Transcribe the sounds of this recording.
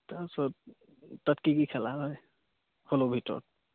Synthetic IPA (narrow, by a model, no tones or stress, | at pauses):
tasɔt | tatkikikʰɛlaɦɔj | holobʱitɔ̰t̚